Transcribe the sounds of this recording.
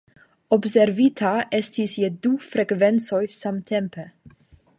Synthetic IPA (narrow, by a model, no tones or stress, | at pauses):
ɔbsɛɾviːt̪ʰaʔɛst̪ʰisjɛd̪uːfɾɛkvɛnsɔʏsamt̪ʰɛmpʰə